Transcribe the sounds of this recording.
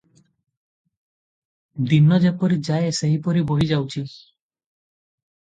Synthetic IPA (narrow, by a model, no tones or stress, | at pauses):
d̪inɔd͡ʒepɔɾid͡ʒaeseɦipɔɾiboɦid͡ʒawt͡ʃʰi